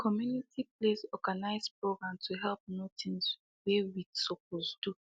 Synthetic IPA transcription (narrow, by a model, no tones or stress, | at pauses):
kʰɔmjunitiplesɔɡanaɪzpɹoɡɹãmtʰuɦɛlp̚notĩns | wewidsɔk̚ozdu